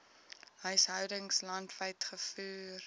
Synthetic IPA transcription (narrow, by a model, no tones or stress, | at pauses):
ɦœɥsɦœwdəŋslɐntvəjtχəfyːr